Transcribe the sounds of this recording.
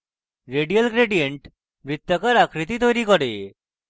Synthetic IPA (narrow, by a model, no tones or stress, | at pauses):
ɾeɖijəlɡɾeɖijeɳʈ | mɾit̪ːakaɾakɾit̪it̪ɔjɾikɔɽe